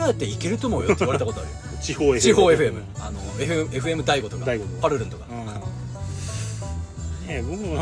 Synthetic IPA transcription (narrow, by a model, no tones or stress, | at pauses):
ajat̪ːeikʲeɾɯ̟t̪o̞mo̞ːjt̪ːeiβaɾet̪akot̪oa̰ɾɯ | t͡ɕihoːt͡ɕiɦo̞ːe̞ɸɯ̟e̞mɯ̟ano̞eɸe̞ɸɯ̟e̞mɯ̟d̪aiɡo̞t̪o̞kapaɾɯɾɯ̃nt̪oka | ebokɯ